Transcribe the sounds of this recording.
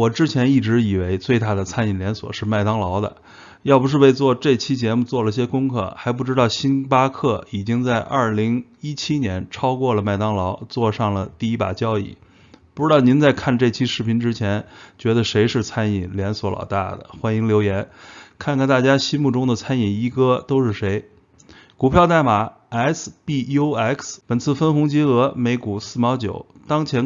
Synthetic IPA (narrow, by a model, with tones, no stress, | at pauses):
wɔ˨˩ʈ͡ʂɻ̩˥t͡ɕʰjɛ˧˥ni˥˩ʈ͡ʂɻ̩˧˥i˨˩we˧˥ɪt͡swe˥˧ɪt̪a˥˩d̪ə˩t͡sʰa˥ni˨˩nljɛ˧˥nswɔ̰˨˩ʂɻ̩˥˧ma˥˩ɪt̪ɑ˥ŋlɑ˧˥ʊd̪ə̰˧ | jɑ˥˧p̬u˧ʂɻ̩˥˧we˥˧ɪt͡swɔ˥˧ʈ͡ʂɤ˥˩t͡ɕʰi˥t͡ɕjɛ˧˥mu˧t͡swɔ˥˩lə˩i˧˩ɕjɛ˥kʊ˥ŋkʰɤ̰˥˩xa˧˥ɪp̬u˥˩ʈ͡ʂɻ̩˥t̪ɑ˥˩ʊɕi˥npa˥kʰɤ˥˩i˨˩t͡ɕi˥ŋt͡sa˥˧ɪʔɐ˞˥˩li˧˥ŋi˥t͡ɕʰi˥njɛ˧˥nʈ͡ʂʰɑ˥ʊkwɔ˥˩lə˩ma˥˩ɪt̪ɑ˥ŋlɑ˧˥ʊt͡swɔ˥˧ʂɑ˥˩ŋlə˩t̪i˥˩˧i˥pa̰˨˩t͡ɕjɑ˥ʊḭ˥˩ | pu˧˥ʈ͡ʂɻ̩˥ɑ˥˩ʊni˧˥nt͡sa˥˧ɪkʰa˥˧nʈ͡ʂɤ˥˩t͡ɕʰi˥ʂɻ̩˥˩pʰi˧˥nʈ͡ʂɻ̩˥t͡ɕʰjɛ˧˥nt͡ɕɥɛ˧˥d̪ə˧ʂe˧˥ɪʂɻ̩˥˩t͡sʰa˥ni˨˩nljɛ˧˥nswɔ˧˥lɑ̰˨˩ʊt̪a̰˥˩d̪ə̰˩xwa˥ni˧˥ŋljo˧˥ʊjɛ˧˥nkʰa˥˧nkʰa˥˩nt̪a˥˩t͡ɕja˥ɕi˥mu˥˩ʈ͡ʂʊ˥ŋd̪ə˨t͡sʰa˥ni˨˩i˥kɤ˥t̪o˥ʊʂɻ̩˥˩ʂe˧˥ɪ | ku˨˩pʰjɑ˥˧ʊt̪a˥˩ɪma˨˧˩ | ɛ˥spi˥˧o˥ɛ˥˩kspə˨˩nt͡sʰɹ̩˥˩fə˥nxʊ˧˥ŋt͡ɕi˥ɤ˧˥me˧˥ɪku˨˩sɹ̩˥˩mjɑ˧˥ʊt͡ɕjo̰˨˩˦ʊt̪ɑ˥ŋt͡ɕʰjɛ˧˥n